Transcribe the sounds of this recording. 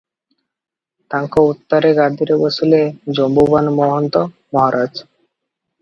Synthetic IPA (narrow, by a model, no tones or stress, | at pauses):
t̪aŋkout̪ːaɾeɡad̪ʱiɾebosuled͡ʑombubanmɔɦont̪o | mɔɦaɾʔad͡ʑ